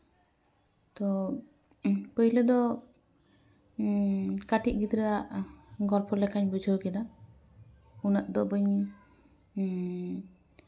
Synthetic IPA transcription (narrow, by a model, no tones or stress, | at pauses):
t̪ɔ | pəjlɛd̪ɔ | kaʈiʔ̚ɡit̪ɾɛaʔɡɔlpʰɔlɛkaɲbud͡ʒʱəwkɛd̪a | unaʔd̪ɔbəɲ